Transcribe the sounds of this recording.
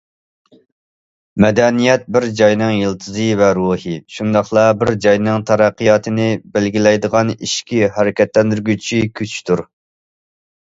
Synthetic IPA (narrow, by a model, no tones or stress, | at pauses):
mɛd̪ɛnijɛt̪̚bɪɾd͡ʒɑjnɨŋjɨlˠt̪ʰɨzɨvɛɾuhɨʃund̪ɑχlˠɑbɪɾd͡ʒɑjnɨŋt̪ʰɑɾæqːɨjɑːt̪ʰɨnɪbælɡʲilɛjd̪əʁɑniʃkʲihæɾɪkʲɛt̪lɛnd̪yɾɡʲyt͡ʃʰikʲʰøt͡ʃʰt̪ʰuɾ